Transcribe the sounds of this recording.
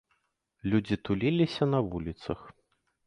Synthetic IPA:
lʲud͡zʲit̪ulʲilʲisʲɐnɐvulʲit̪sɐx

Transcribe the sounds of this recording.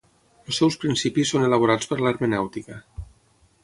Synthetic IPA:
əlˠsɛwspɾinsipisoneləβ̞oɾat͡spəɾlaɾmənɛwt̪ikə

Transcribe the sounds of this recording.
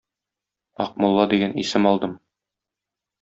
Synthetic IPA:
ɒ̰q̚mulˠːɑd̪iɡænisɘmɒlˠd̪ɤm

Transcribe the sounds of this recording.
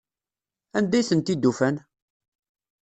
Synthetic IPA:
ænd̪æjθənt̪id̪ːufæn

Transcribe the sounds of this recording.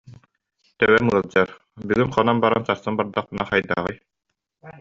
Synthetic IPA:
t̪œwɛmɯɐlˠd͡ʑaɾ | byɡynχɔnanbaɾansaɾsɯnbaɾd̪aχpɯnaχajd̪a̰ːʁɯj

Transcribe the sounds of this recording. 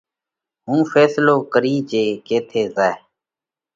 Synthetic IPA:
ɦũːfʰɛːsloːkəɾiːd͡ʒeːkeːt̪ʰeːzaːe

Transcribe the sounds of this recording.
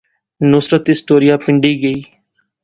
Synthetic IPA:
nʊsɾət̪ɪsʈoːɾijaːpɪɳɖiːɡəiː

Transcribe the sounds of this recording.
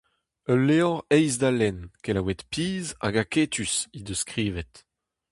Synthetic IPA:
œlːeɔʁɛjzd̪alɛnkelawɛt̪piːza̰ɡaket̪ʰysid̪əskʁiːvɛt̪

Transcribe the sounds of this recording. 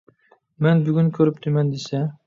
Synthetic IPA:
mɛnbyɡʲynkʲʰɵɾɪp̚t̪ʰɪmɛnd̪esɛ

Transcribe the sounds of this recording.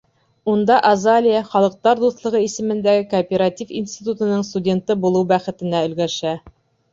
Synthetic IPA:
und̪ɑʔɐzalʲijaχɑlˠɤ̆q̚t̪ɑɾd̪uθlˠɤ̆ʁɤisɘ̆mɘ̆nd̪æɡɘkopʲeɾatʲifinsʲt̪ʲit̪ut̪ɤ̆nɤɴst̪udʲe̞nt̪ɤbulˠɤwbæχɘ̆t̪ɘ̆næɵ̆lɡæʃæ

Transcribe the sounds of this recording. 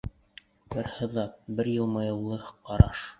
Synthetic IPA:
bɘɾhɤ̆ðɑt̪̚bɘɾjɤlˠmɑjɤ̆wlˠɤqɑɾɑʃ

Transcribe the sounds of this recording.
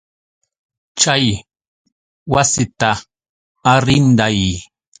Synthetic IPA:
t͡ʃaj | wasɪt̪aː | ɾɪnd̪aj

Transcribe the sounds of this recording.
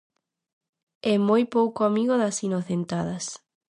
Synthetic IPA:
ɛmojpowkoamiɣoðasinoθent̪að̞ɐs

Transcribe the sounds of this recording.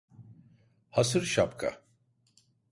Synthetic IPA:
hasɨɾʃapkʰa̰

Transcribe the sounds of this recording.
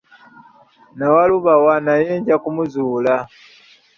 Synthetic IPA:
nawaluβawanajeːɲɟakumuzuːla

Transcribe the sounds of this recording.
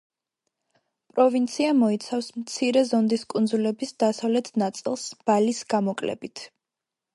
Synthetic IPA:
pʼɾɔvint̪sʰiamɔit̪sʰafsmt̪sʰiɾɛzɔnd̪iskʼund̪zulɛbisd̪̥asavlɛt̪ʰnat̪sʼilˠsb̥alisɡ̥amɔkʼlɛ̰bit̪ʰ

